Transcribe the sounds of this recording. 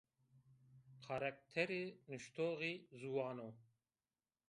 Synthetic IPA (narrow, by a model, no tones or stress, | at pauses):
kʰɑɾak̚t̪ʰɛɾenɨʃt̪ʰoːɣizuwɑːno